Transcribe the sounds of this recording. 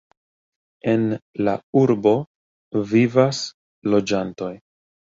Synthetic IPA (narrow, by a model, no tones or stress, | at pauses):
e̞nlauɾbo̞ | vivas | lo̞d͡ʒanto̞j